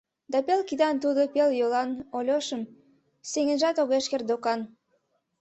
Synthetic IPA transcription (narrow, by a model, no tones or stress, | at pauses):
d̪ɑpelkid̪ɑnt̪̬ud̪opeljolɑnolʲoʃəm | seŋə̆nʒɑt̪oɣeʃkerd̪okɑn